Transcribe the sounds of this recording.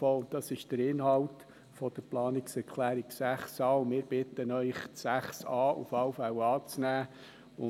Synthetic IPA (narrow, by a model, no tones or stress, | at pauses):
foːʊntd̥̪ɑsɪʃd̥əɾɪnhɑwt | fɔd̥əɾplɑːnɪksɛɾkʰlæːɾiksæχsɑːʊmɪːɾb̥ɪt̪ənœʏχsæχsɑːʔṵfɑwfæwɑːt͡snæː | ʊ